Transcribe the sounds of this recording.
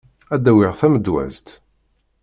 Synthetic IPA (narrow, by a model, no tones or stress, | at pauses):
æd̪ːæwɪʁθæməd̪wæ̰zt̪